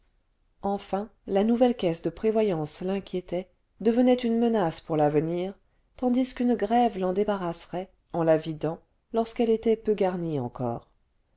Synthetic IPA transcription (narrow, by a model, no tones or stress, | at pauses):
ɑ̃fɛ̃lanuvɛlkʲɛsd̪əpχevwajɑ̃slɛ̃kʲjet̪ɛ | d̪əvənɛt̪ynmənaspuʁlavəniːʁ | t̪ɑ̃d̪iskynɡʁɛvlɑ̃d̪ebaʁasʁɛ | ɑ̃lavid̪ɑ̃ | lɔʁskɛlet̪ɛpøɡaʁniɑ̰̃kɔ̰ːʁ